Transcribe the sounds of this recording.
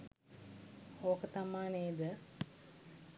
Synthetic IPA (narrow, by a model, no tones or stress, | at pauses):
oːkət̪amaːneːd̪ə